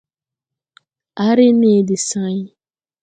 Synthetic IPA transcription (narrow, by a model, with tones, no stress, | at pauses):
a˨˦ɾɪ˦ne˦˨dɪ˨sã˦jɪ˦